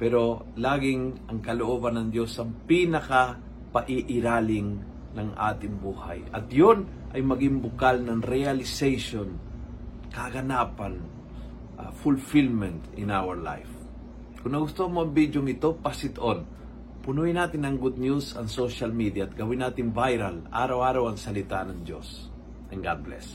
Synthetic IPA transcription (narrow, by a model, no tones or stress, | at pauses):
pɛɾo̞ | laːɡɪŋʔɐŋkɐloʔoːbɐnːɐŋd̪jo̞sɐŋpinɐka | pɐʔɪʔɪɾaːlɪŋ | nɐŋʔa̰ːt̪ɪŋbuːha̰jʔɐ̰t̪jon | ʔɐjmɐɡɪŋbʊkalnɐŋɾɛalɪsɛjʃon | kɐɡɐnaːpɐn | ʔa̰fʊlfilmɛnt̪ɪnawɛɹla̰jf | kʊnnɐɡʊst̪ohɐmoʔɐmbid̪joŋɪt̪o̞pasɪt̪oʔon | pʊnujɪnaːt̪ɪnɐŋɡʊd̪̚njusɐŋsoʃalmid̪jat̪̚ɡɐwɪnaːt̪ɪŋvajɾɐlʔa̰ːɾawʔaːɾawɐŋsɐlɪt̪anɐŋd͡ʒo̰s | ɛŋɡad̪̚blɛ̰s